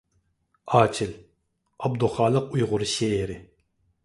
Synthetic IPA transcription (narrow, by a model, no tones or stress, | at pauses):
ɑːt͡ʃʰɪl | ɑbd̪uχɑːlˠəqujʁʊɾɨʃeɾɪ